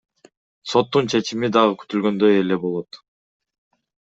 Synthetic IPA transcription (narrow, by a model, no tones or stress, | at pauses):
so̞t̪ːunt͡ʃʰe̞t͡ʃimid̪ɑʁɯky̥t̪ylɡø̞nd̪øje̞le̞bo̞lˠot̪